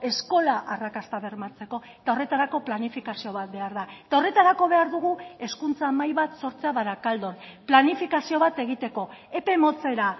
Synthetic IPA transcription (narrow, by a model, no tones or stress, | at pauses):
e̞sko̞laʔarakast̪aβe̞ɾmat͡se̞ko̞et̪ao̞re̞t̪aɾako̞planifikasio̞β̞at̪̚be̞aɾðaet̪ao̞re̞t̪aɾako̞β̞e̞aɾðuɣue̞skunt͡samajβat̪so̞ɾt͡seaβaɾakald̪o̞nplanifikasio̞βat̪e̞ɣ̞it̪e̞ko̞e̞pe̞mo̞t͡se̞ɾa